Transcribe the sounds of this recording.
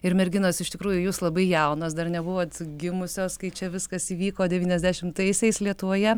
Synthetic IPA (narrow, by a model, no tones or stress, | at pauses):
ɪɾmʲɛɾʲɡʲɪnoːsɪʃt̪ʲɪkɾuːjʊjuːslˠɐbɐɪjɛʊnoːsd̪ɐrnʲɛbʊʋoːt̪ɡʲɪmʊsʲoːskɐɪt͡ʃʲɛʋʲɪskɐsiːʋʲiːkoːdʲɛʋʲiːnʲɛzʲd̪ʲæʃʲɪmt̪ɐɪsʲɛɪslʲiɛt̪ʊʋoːjɛ